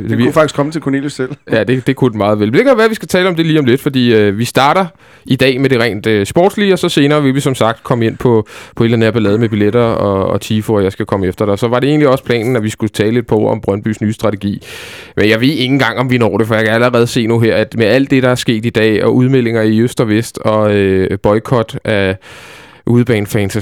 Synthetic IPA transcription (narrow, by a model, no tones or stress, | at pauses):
ufɑ̈ɡ̥iskʰmət͡sʰe̝lkʰonelusel̰jæd̥e̝d̥e̝kʰud̥n̩mɑ̈ːð̞̩ˠʋelmed̥e̝kʰæʋæːɐʋisɡ̥æt͡sʰɛːləɒ̽md̥e̝liːɒ̽mle̝d̥fɒ̽d̥ḭːøʋisd̥ɑ̈ːɾ̥ɐ | id̥ɛ̰ːmeɾ̥e̝ʁɛ̰ɪnd̥sb̥ɔ̰ːd̥sliɒ̽sɒ̽se̝ːnɐːʋe̝lʋisɒ̽msɑ̈ɡ̥̚d̥kʰɒ̽məe̝n̰pʰɒ̽pʰɒ̽elæneɐb̥ælɛːð̞̩ˠmeb̥ileɾɐɒɒ̰t͡sʰifoɒjɑɪsɡ̥ækʰɒ̽məefd̥ɐɾ̥eɒ̽sɒ̽ʋɑ̈ɾe̝e̝̰ːnliɒ̽spʰlɛ̰ːnn̩æʋisɡ̥ut͡sʰɛːle̝d̥̚pʰɒ̽ɒmb̥ʁɶnb̥y̰ːsnyːsd̥ʁɑ̈t͡sʰeɡ̥ḭː | mʔenjɑ̈ɪʋe̝ðˠe̝ŋn̩ɡ̥ɑ̈ŋ̰ɒ̽mʋinɒ̰ːɾ̥e̝fɒ̽jɑ̈kʰææləʁɛːð̞̩ˠse̝̰ːnuɦeɐ̰æd̥meæl̰d̥ːe̝ɾ̥ɑ̈æɐsɡ̥e̝̰ːd̥id̥ɛ̰ːɒʔuð̞ˠmel̰e̝ŋɐiøsd̥ɒʋesd̥ɒ̽øb̥ɒ̽ɪkʰɒ̽d̥æ | ʔuðˠb̥ɛːnfɛnsæ